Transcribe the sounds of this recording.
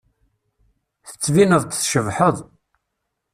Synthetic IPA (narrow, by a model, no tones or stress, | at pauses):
θə̥t͡sːvinəðˤt̪θʃəvħəðˤ